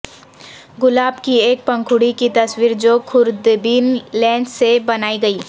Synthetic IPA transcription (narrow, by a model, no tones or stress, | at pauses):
ɡʊlaːbkieːk̚pɐ̃ŋkʰʊɽikit̪ɐswiːɾd͡ʒokʰʊɾd̪biːnlɛ̃ːɳɖsebɐnaːiɡɐiː